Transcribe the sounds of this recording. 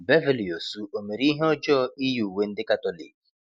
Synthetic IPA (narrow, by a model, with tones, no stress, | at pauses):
be˦vi˦˨li˨o˨su˦o˨me˨ɾi˦ɦe˦ɔ˦d͡ʒɔ˦i˦ju˨we˦n̩˦dɪ˦ka˦tɔ˦lḭ˨k̚